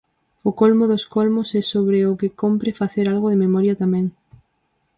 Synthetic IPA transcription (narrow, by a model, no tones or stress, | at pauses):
ʊkolmʊðʊskɔlmʊsɛsoβɾɪʊkɪkompɾɪfaθeɾalɣʊðɪmemɔɾjɐt̪amɛ̃ŋ